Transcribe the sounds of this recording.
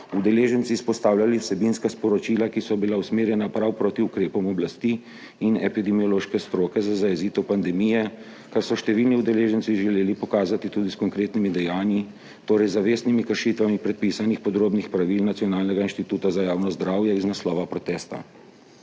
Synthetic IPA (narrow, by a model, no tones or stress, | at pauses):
ud̪ɛleːʒənt̪sispɔst̪aːwlʲaliwsɛbinskaspɔɾɔt͡ʃiːlakisɔbilawsmeːɾjɛnapɾawpɾoːt̪iukɾeːpɔmɔblast̪iː | nɛpid̪ɛmijɔloːʃkɛst̪ɾoːkɛzazajɛziːt̪ɔpand̪ɛmijɛ | kaɾsɔʃt̪ɛʋilniud̪ɛleːʒɛnsiʒɛleːlipɔkaːzat̪it̪uːd̪iskɔŋkɾeːt̪nimid̪ɛjaːnji | t̪oːɾɛjzaʋeːsnimikəɾʃit̪ʋamipɾɛt̪̚pisanixpɔd̪ɾoːbnixpɾaʋilnat̪sjɔnaːlnɛɡainʃt̪it̪uːt̪azajaːwnɔzd̪ɾaːwjɛiznaslɔːʋapɾɔt̪ɛːst̪a̰